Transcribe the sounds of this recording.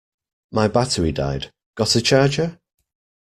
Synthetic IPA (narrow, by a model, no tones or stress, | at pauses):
maɪbatəɹida̰ɪd | ɡ̥ɒtət͡ʃʰɑːd͡ʒə